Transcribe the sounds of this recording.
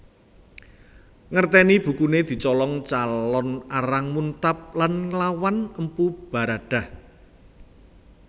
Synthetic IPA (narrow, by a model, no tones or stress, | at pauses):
ŋərt̪ɛnib̥ṳkuned̪̥i̤t͡ʃɔlɔŋt͡ʃalɔnaɾaŋmunt̪ap̚lanŋlawanəmpub̥a̤ɾaɖ̥a̤h